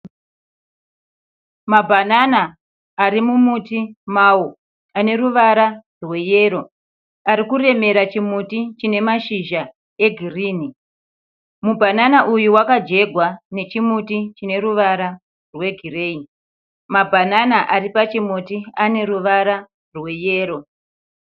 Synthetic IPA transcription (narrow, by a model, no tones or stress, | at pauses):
mabʱananaː | ɾimumutimaːwo | ane̞ɾuʋaɾa | rwe̞je̞ːɾo̞ | aɾikure̞me̞ɾat͡ʃimutit͡ʃine̞maʃiʒa | e̞ɡʱiriːni | mubʱananaʔujuwakad͡ʒe̞ɡʱwane̞t͡ʃimutit͡ʃine̞ɾuʋaɾa | rwe̞ɡʱire̞ːi | mabʱananaʔaripat͡ʃimutiane̞ruʋaɾa | rwe̞je̞ːro̞